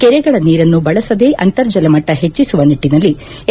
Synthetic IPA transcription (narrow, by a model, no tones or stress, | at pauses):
kɛɾɛɡɐɭɐniːɾɐnːubɐɭɐsɐd̪e̞ːʔɐnt̪ɐɾd͡ʒɐlɐmɐʈːɐɦet͡ʃːisuʋɐniʈːinɐlːi